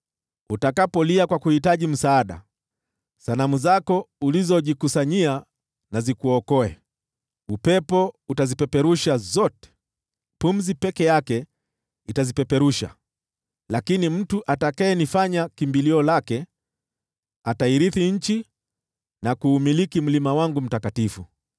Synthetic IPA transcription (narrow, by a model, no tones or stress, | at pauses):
utakapɔliakwakuhitaʄim̩saːɗa̰ | sanamuzakɔulizɔʄikusaɲia | nazikuɔkɔɛ | upɛpɔutazipɛpɛɾuʃazɔtɛ̥ | pum̩zipɛkɛjakɛ | itazipɛpɛɾuʃa̰ | lakinim̩tuʔatakaɛnifaɲakimbiliɔlakɛ | ataiɾiθiɲ̩t͡ʃi | nakuːmilikim̩limawaŋɡum̩takatifu